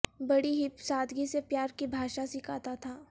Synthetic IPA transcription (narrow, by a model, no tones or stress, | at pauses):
bɐɽiɦɪpsaːd̪ʱɡisepjaːɾkibʱaːʃasɪkʰaːt̪at̪ʰaː